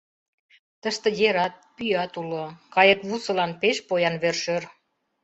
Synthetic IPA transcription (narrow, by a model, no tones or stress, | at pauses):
t̪əʃt̪ə̆jeɾɑt̪̚pyjɑt̪ulokɑjəkβusɤ̆lɑnpeʃpojɑnβerʃør